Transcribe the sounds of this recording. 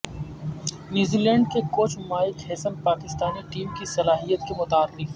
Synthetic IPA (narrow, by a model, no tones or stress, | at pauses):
njuːzilɛ̃ːɳɖkekoːt͡ʃʰmaːɪkɦɛːsəmpaːkɪst̪aːniʈiːmkisɐlaːɦijət̪kemʊt̪aːɾɪf